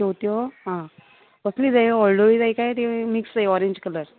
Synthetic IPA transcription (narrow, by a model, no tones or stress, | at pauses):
owt̪joɦã | ʋəsliːd͡zajɔlɖoid͡zajkajt̪emiksd͡zajɔɾẽɲd͡ʑkələɾ